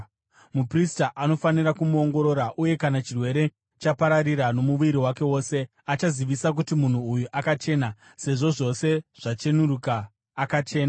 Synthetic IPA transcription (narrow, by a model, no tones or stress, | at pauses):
mupristaʔano̞faniɾakumuo̞ŋɡo̞ɾo̞ɾaʔuje̞kanat͡ʃirwe̞ɾe̞ | t͡ʃapaɾariɾano̞muʋiɾiwake̞wo̞ːse̞ | at͡ʃaziʋisak̬utimun̤uːjuʔakat͡ʃe̞ːna | se̞ʐo̞ʐo̞se̞ʐ̥at͡ʃe̞nuɾukaː | kat͡ʃe̞ːna